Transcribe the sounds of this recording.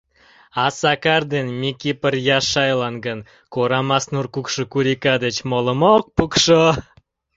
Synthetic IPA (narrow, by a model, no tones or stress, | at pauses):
ɑsɑkɑrd̪enmʲikʲipərjɑʃɑjlɑnɡən | koɾɑmɑsnurkukʃə̆kuɾʲikɑd̪et͡ɕmolə̆mok̚pukʃo